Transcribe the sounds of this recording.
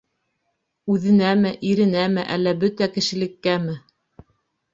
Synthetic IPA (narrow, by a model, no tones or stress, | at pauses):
ʉðɘ̆næmɘʔiɾɘ̆næmɘʔæ̰lːæbɵt̪ækɘ̆ʃɘ̆lɘ̆kːæmɘ